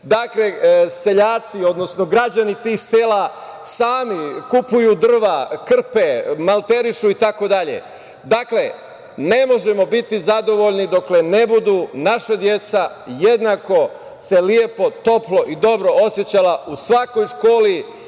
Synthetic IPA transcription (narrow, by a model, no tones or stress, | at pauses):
d̪akle̞se̞ʎaːt̪sio̞d̪no̞snoɡɾad͡ʑanit̪iːxseːla | saːmikupujuːd̪r̩ʋakr̩pemalˠt̪e̞ɾiʃuit̪ako̞d̪aʎḛ | d̪akle̞ | ne̞mo̞ʒe̞mo̞bit̪izad̪o̞ʋo̞ʎnid̪o̞kle̞ne̞bud̪uːnaʃad̪je̞t̪sa | je̞d̪nako̞ | se̞lie̞po̞t̪o̞plo̞ʔid̪o̞bɾo̞o̞sje̞t͡ɕalausʋako̞jʃko̞ːli